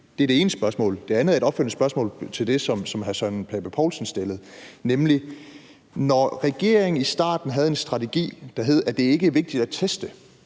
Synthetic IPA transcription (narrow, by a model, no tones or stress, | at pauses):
d̥e̝æɐd̥e̝e̝ːnəsb̥ɶɐsmɔ̰ːld̥e̝ænð̩ˠæeɾɒ̽b̥føl̰nəsb̥ɶɐsmɔ̰̽ːlt͡sʰe̝ld̥e̝sɒ̽msɒ̽mɦæsœnpʰɛb̥æpʰɒʊlsɒn̩sd̥elð̞̩ˠnemli | nɒʁɛɡ̥e̝ɐ̰eŋ̩isd̥ɑ̰̈ːd̥n̩ɦæð̞̩ˠe̝nsd̥ʁɑ̈t͡sʰe̝ɡ̥ḭːd̥ɑ̈ɦe̝ð̩̰ˠæd̥e̝æe̝ɡ̥əʋe̝ɡ̥̚d̥id̥æt͡sʰesd̥ə